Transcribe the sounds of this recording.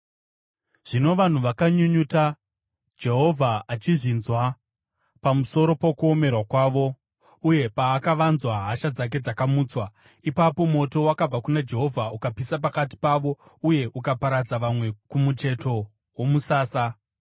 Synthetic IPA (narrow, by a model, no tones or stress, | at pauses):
ʐ̥ino̞ʋan̤uʋakaɲuɲuta | d͡ʒe̞ɦo̞vʱaːt͡ʃiʐinzwa | pamuso̞ɾo̞pokuo̞me̞rwakwaːʋo̞ | uje̞paːkaʋanzwaɦaʃad͡zak̬e̞d͡zakamuːt͡swa | ipapo̞mo̞to̞wakab͡vakunad͡ʒe̞ɦo̞vʱaukapisap̬akat̬i̥paʋo̞uje̞ʔukapaɾad͡zaʋamwe̞kumut͡ʃe̞to̞ | womusaːsa